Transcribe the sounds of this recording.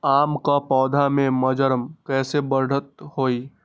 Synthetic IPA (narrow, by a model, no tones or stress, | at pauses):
aːmkapɔːd̪ʱamẽməd͡ʒəɾəmkɛːsebəɾɽ̤ʱət̪hoːi